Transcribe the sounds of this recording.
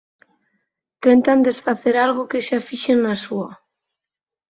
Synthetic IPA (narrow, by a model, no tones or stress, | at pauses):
t̪ent̪and̪esfaθeɾalɣokeʃafiʃenːasua